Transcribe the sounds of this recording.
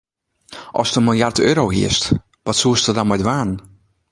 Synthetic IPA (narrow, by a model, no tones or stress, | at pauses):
ʔɔ̰stənmɪlˠjartøːɾowɦḭəst | ʋɔtsuəstərdɔnmɛdʋaːn